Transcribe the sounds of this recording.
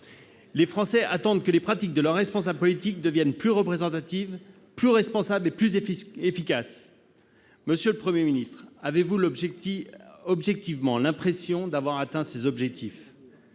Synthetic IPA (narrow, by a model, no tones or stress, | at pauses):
lefχɑ̃sɛat̪ɑ̃d̪kəlepχat̪ik̚d̪əlœʁːɛspɔ̃sablpɔlit̪ik̚d̪əvjɛnplyʁəpχezɑ̃t̪at̪iv | plyʁɛspɔ̃sableplyzefikas | məsjøləpχəmjeminist̪χavevulb | ɔbʒɛk̚t̪ivmɑ̃lɛ̃pχesjɔ̃d̪avwaʁat̪ɛ̃sezɔbʒɛk̚t̪ʰif